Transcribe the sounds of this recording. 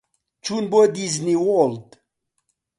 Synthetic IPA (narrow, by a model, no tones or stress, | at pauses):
t͡ʃʰunbod̪izniwold̪